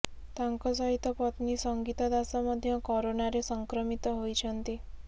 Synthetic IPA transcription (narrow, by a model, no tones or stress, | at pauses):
t̪aŋkɔsɔɦit̪ːɔpɔt̪nisɔŋɡit̪ɔd̪asɔmɔd̪ʱːjɔkɔɾonaɾesɔŋkɾɔmit̪ɔɦojt͡ʃʰɔnt̪i